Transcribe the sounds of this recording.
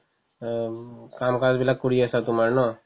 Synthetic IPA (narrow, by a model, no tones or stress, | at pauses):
kamkad͡zbilakuɽiəsat̪umaɾnɔ